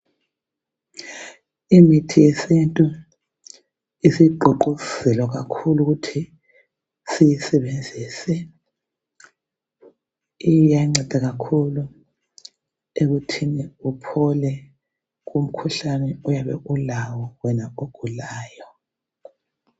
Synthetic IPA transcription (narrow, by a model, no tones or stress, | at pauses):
imitʰijesintʼu | isiǃʱoǃusɛlwaɣakʰuluɣutʰi | sijisɛβend͡zʱisɛ | ijaŋ͡ǀɛd̥ʱaɣakʰulu | eɣutʰiniupʰɔlɛ | ɣum̩kʰuɬanɛujaβɛ̰ʔulawɔwɛnaoɡ̥ʱulaːjɔ